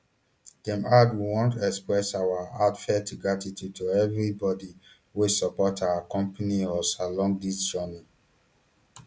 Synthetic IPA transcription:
d̥ɛ̃matwiwɔ̃ntɛkspɹɛsawaatfɛtuɡɹatitjud̚tʰuɛvɹibɔdi | wesɔpɔtawakɔ̃mpaniɔsalɔ̃ŋɡ̚disd͡ʒɔna

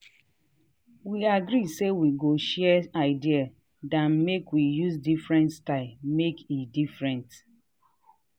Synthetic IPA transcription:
wiaɡɾisewiɡoʃɛɛaɪdia | dãnmekwijuzdifɾɛ̃ntstaɪlmekidifɾɛ̃nt

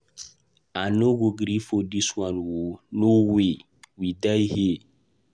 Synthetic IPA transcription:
anoɡoɡɾifodiswanwonowe | widajhe

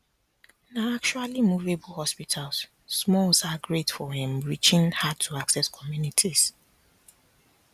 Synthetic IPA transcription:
naak̚t͡ʃualimuvebl̩hɔspitʰalsː | mɔlsaɡɹetfɔhɛ̃mɹit͡ʃĩnhad̚tʰuaksɛskʰɔmjunitʰis

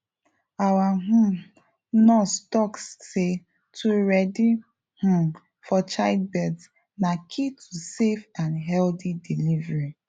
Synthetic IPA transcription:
awaɦũm | nɔstɔksːe | tʰuɹɛdi | hũ | fɔt͡ʃaɪd̚bɛds | nakʰitʰusefãnɦɛldidilivɹi

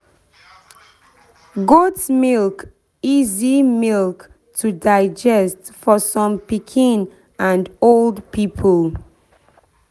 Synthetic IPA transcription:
ɡotsmilk | izimilk | tʰudaɪd͡ʒɛst | fɔsɔ̃mpikʰĩn | ãndoldpipʰəl

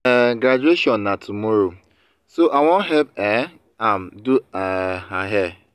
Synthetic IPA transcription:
ɡɾad͡ʒueʃɔ̃nːatʰumɔɾo | soʔawõnɦɛlpɛ | am̩duaaɦɛ

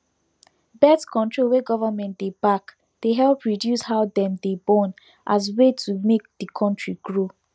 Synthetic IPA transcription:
bɛtkʰɔ̃ntɹolweɡɔvamɛ̃ntd̥ebak | d̥eɦɛlpɹidjushaʊdɛ̃mdebɔ̃n | ʔas̬wetʰumek̚dikʰɔ̃ntʰɹiɡɹo

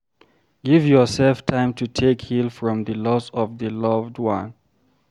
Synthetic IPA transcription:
ɡ̥ivjɔsɛlftʰãɪ̃mtʰutʰekhilfɹɔ̃mðəlɔsɔvðəlʌvdwã̰n

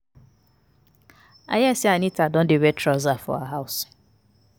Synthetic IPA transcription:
a̰jasɪanitadɔn̩dɪwetʰɾɔzafɔ̰a̰ɦaʊs

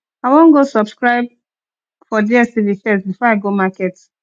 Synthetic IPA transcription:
aɪwɔ̃nɡosɔbskɹaɪb̚ | fɔdiɛsivifɛsbifɔaɪɡomakɛt

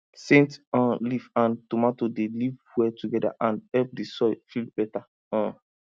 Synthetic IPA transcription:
sẽntɔ̃livãntumatodelivwɛtuɡɛda̰ʔãnhɛlp̚disɔfilb̥ɛta | ɔ̃

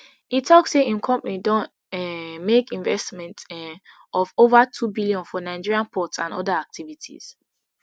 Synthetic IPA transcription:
itʰːɔkseʔĩnkʰɔ̃mpanidɔ̃n | ɛmekĩnvɛstmɛ̃nt | ʔɔvovatʰubiliɔ̃nfɔnaɪd͡ʒiɹiãnpʰɔtsã̰nɔdaak̚tʰivitʰḭz̥

